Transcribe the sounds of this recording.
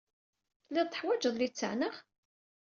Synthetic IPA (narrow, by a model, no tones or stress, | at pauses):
lːiðˤt̪ːəħwæd͡ʒəðˤlit͡sːə̰ʕnəʁ